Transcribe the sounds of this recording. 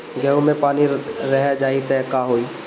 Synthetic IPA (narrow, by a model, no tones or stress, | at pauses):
ɡɛũmẽpaːniɾɛɦad͡ʒaːit̪ɛkaɦoiː